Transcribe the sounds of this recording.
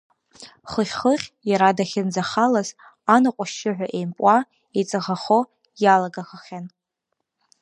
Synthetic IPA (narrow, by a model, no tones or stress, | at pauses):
χəχʲχəχʲjaɾadaχʲɪnd͡zaχalaz | anaqʷʼaʃɪħᶣʷaʔejmpʼa | et͡sʼaʁaχo | jalaɡaχaχʲan